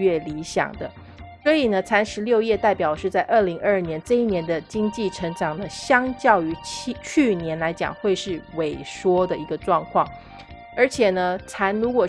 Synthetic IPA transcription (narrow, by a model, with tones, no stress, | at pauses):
ɥɛ˥˩li˧˥ɕjɑ̰˨˩ŋd̪ə˦ | swɔ˧˥i˨˩nə˦t͡sʰa˧˥nʂɻ̩˧˥ljo˥˧ʊjɛ˥˧t̪a˥˩ɪpjɑ˨˩ʊʂɻ̩˥˧t͡sa˥˧ɪʔə˥˩li˧˥ŋə˞˥˩njɛ˧˥nʈ͡ʂɤ˥˧i˥˩njɛ˧˥nd̪ə˧t͡ɕi˥ŋt͡ɕi˥˩ʈ͡ʂʰɤ˧˥ŋʈ͡ʂɑ˨˩ŋnə˦ɕjɑ˥ŋt͡ɕjɑ˥˩ʊy˧˥t͡ɕt͡ɕʰy˥˩njɛ˧˥nla˧˥ɪt͡ɕjɑ̰˨˩ŋxwe˥˧ɪʂɻ̩˥˩we˨˩ɪʂwɔ˥d̪ə˨i˧˥ɡə˧ʈ͡ʂwɑ˥˧ŋkʰwɑ˥˩ŋ | ə˞˧˥t͡ɕʰjɛ˨˩nə˦t͡sʰa˧˥nɻu˧˥kwɔ˨˩